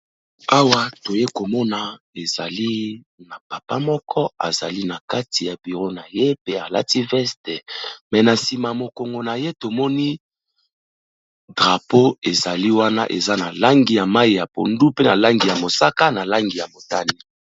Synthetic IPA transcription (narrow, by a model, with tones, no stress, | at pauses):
a˦wa˦to˨je˦ko˨mɔ˦na˨ | e˨za˨li˦ | na˨pa˨pa˦mɔ˦kʰɔ˦a̰˨za˨li˦na˨ka˦ti˨ja˨bi˨ʁo˦na˨je˦pe˦a˨la̰˦ti˦vɛ˦stɛ˨mɛ˨na˨si˨ma˨mo˨ko˨ŋɡo˨na˨je˦to˨mɔ˦ni˦ | dʁa˨po˦e˨za˨li˦wa˦na̰˦ʔḛ˨za˦na˨la˦ŋɡi˨ja˨ma˦i˨ja˨po̰˨ndu˦pe˦na˨la˦ŋɡi˨ja˨mo˨sa˦ka˦na˨la˦ŋɡi˨ja˨mo˨ta˦ni˦